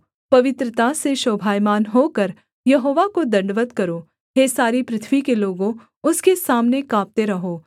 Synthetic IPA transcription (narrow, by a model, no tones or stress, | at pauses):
pɐʋɪt̪ɾət̪aseʃoːbʱaːjmaːnɦoːkɐɾ | jɐɦoːʋakod̪ɐ̃ɳɖʋət̪kɐɾoː | ɦesaːɾipɾɪt̪ʰʋikeloːɡõ | ʊskesaːmnekãːp̚t̪eɾɐɦoː